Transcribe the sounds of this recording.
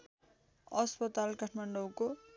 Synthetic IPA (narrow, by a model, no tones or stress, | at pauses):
ʌspʌt̪alkaʈʰmaɳɖʌwko